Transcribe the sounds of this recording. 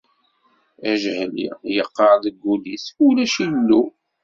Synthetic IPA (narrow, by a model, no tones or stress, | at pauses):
æʒhlḭjəqːəɾðəɡːulisulæʃilːu